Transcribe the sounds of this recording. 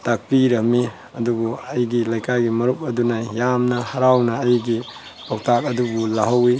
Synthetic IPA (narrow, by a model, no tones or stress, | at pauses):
tak̚piɾɐmi | ɐdubuɐjɡilajkʰaɡimɐɾup̚ɐdunɐjamnɐhaɾawnɐːjɡi | baw̚tʰak̚ɐdubulaɦɐwi